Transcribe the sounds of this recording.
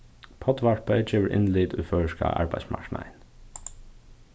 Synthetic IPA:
pʰɔd̪ʋaɹpəd͡ʒeːʋəɹʔɪ̰nlɪːd̪ʊfœːɹəʃka̰ʔa̰ɹbaɪsma̰ɹkna̰ɪn

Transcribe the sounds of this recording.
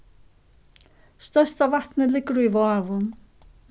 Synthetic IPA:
st̪œst̪avat̪nəlɪɡɾuivɔavʊn

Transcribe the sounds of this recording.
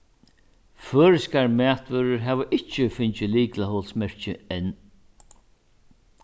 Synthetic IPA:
føːɾɪskaɾmæːt̪vœɾʏɾɦɛːʋəʔɪht͡ʃːɪfɪɲt͡ʃɪliːklahɔlsmɛɹ̥t͡ʃɪɛn

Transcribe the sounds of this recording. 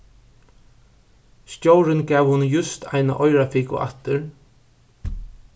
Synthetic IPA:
sc̪jowɾɪnɡɛːwhʊnjʊst̪ʰa̰jna̰ʔɔjɾafiːkʊ̰ʔa̰t̪ɪɾ

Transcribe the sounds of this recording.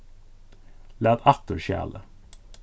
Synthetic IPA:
læːd̪ɑk̚t̪əɹʃæ̰ːlə

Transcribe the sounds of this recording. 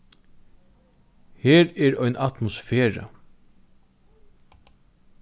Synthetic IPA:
heːɾɛɾɔjnʔat̪mʊsfeːɹa̰

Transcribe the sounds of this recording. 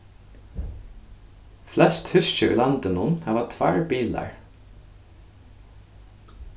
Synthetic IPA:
flɛst̪hʉsc͡çəʉ̰lɑnd̪ənʊnhɑːʋɑt̪ʰʋæɹbiːlɑ̰ɹ

